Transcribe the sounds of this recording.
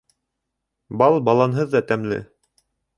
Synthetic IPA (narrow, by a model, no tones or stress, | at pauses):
bɑlˠbɑlˠɑnɦɤðːɑt̪æmlɘ̰